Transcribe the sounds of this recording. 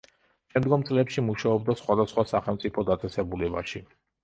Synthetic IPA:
ʃɛmd̪ɡɔmt̪sʼlɛpʃimuʃaɔbd̪asχwad̪asχwasaχɛlmt̪sʼipʰɔd̪at̪sʼɛsɛbulɛba̰ʃi

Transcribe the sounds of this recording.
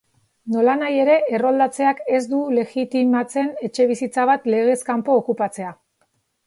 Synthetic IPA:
no̞lanaje̞ɾe̞ʔero̞ld̪at͡se̞ake̞zd̪ule̞ɣit̪imat͡se̞ne̞t͡ʃe̞β̞isit͡saβ̞at̪le̞ɣ̞e̞skampo̞ːkupat͡se̞a

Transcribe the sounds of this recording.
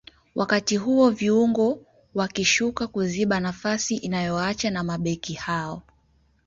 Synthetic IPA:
wʔakatiɦuɔviuŋɡɔ | wakiʃukakuziɓanafasiʔinajɔat͡ʃanamaɓɛkihaɔ

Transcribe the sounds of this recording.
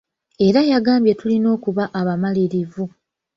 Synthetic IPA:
e̞ɾajaɡaːmbje̞tulino̞ːkuβaʔaβamaliɾivu

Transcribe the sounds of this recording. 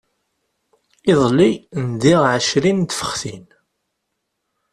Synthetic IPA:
iðˤlind̪iʁʕəʃɾint̪fə̥χθin

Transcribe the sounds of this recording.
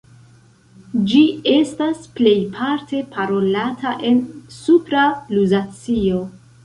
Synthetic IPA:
d͡ʒie̞stasple̞jpʰaɾte̞pʰaɾo̞latʰaʔe̞nsupɾaluzat͡sio̞

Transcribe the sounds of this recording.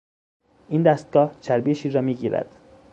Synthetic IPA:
ʔiːnd̪æst̪̚ɡɒːht͡ʃʰæɾbiʃiːɾɒːmiːɡiːɾæ̰d̪̥

